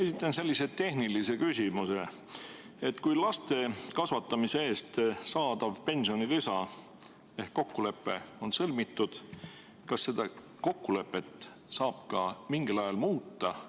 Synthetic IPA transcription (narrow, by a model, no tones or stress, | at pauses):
e̞sit̪ˑːɑnse̞lʲːise̞t̪e̞hnilise̞kysʲimuse̞ | et̪ˑːkujlɑst̪e̞kɑsvɑt̪ːˑɑmise̞e̞ːst̪sɑːd̪̥ɑvpe̞nsionilisɑ | e̞hkko̞kːule̞pːˑe̞̰o̞nsɤlmit̪ːˑud̪̥ | kɑsːe̞d̪̥ɑ | ko̞kːule̞pːˑe̞t̪ˑ | sɑːb̥kɑmiŋɡ̥ilɑjɑlmuːt̪ːˑɑ